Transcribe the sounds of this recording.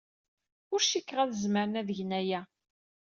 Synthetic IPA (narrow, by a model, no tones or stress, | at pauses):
ʊɾʃikːʁæðəzməɾənæðəʝnæjæ